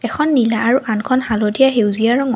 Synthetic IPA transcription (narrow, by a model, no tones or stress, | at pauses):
ɛxʰɔnːilaːɹuʔankʰɔnhalotijaɦewziaɹɔŋ